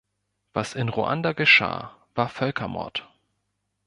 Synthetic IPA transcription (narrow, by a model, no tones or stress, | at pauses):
v̥asɪnʁuʔa̰ndaɡəʃa̰ːv̥aːɐfœlkʰɐmɔ̰ɐt